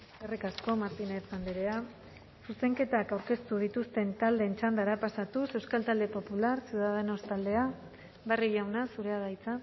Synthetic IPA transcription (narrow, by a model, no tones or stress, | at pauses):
erikasko̞maɾt̪ineɾt͡sand̪eɾea | suse̞ŋke̞t̪akawɾke̞st̪uð̞it̪ust̪e̞nt̪ald̪e̞ːnt͡ʃand̪aɾapasat̪use̞wskalt̪ald̪e̞po̞pulaɾseuðaðe̞no̞st̪ald̪e̞a | βariʝawnasuɾe̞aðajt͡sa